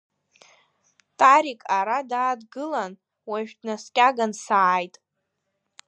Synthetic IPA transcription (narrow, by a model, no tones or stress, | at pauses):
tʼaɾikʼaɾadaːdɡɨlan | waʒᶣdnaskʲʼaɡansaːjtʼ